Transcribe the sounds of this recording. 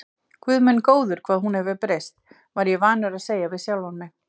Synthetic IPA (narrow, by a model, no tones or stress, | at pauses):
kʰvʏðmʏnkoːwðʏɾ̥kʰvaːðhɦunhɛvɪpɾejst̪ | vaɾjɛvaːnʏɾaðseːjavɪðsjawlɔnːɪ